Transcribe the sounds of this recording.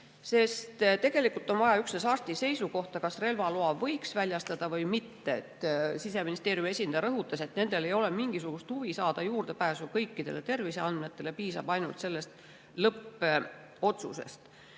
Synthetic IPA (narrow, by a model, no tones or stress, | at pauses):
se̞st̪t̪e̞ɡ̥e̞likult̪ːˑo̞nvɑjɑyksnesɑrt̪ise̞jsuko̞ht̪ɑkɑsre̞lvɑloɑvɤ̞jksvælʲjɑst̪ɑd̪̥ɑvɤjmit̪ːeet̪ːsise̞minist̪e̞ːɾjume̞sʲind̪̥ɑjɑɾɤɦut̪ːˑɑse̞t̪ne̞nd̪̥e̞le̞jo̞le̞miŋɡ̥isuɡ̥ust̪huvisɑːd̪̥ɑjuːrd̪̥e̞pæːsukɤjkˑːid̪̥e̞̰le̞t̪e̞rviseɑnd̪̥me̞t̪ːˑe̞le̞piːsɑ̰b̥ɑjnult̪se̞lːest̪ | lɤpːe | o̞t̪sṵse̞̰st̪